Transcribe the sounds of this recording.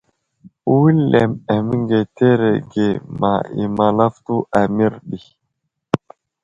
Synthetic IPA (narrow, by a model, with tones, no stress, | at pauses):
u˦wi˦lːe˨mɛ˨mi˦ŋɡe˨t̪e˦ɾe˨ɡe˨ma̰˨ḭ˨ma˨la˦ft̪u˦ʔa˨mi˦ɾɗi˨